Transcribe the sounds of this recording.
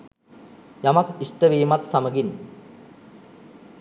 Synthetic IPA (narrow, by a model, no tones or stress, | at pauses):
jamɐkisʈəʋiːmɐt̪sɐməɡin